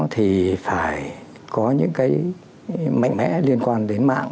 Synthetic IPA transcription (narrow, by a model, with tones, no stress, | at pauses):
t̪ʰi˨˩faː˧˩j | kɔ˨˦ɲɨ̰˧˥ŋkaː˨˦j | ma̰˧˨ŋmɛ̰˧˥li˧ənkwaː˧nɗe˨˦nma̰ː˧˨ŋ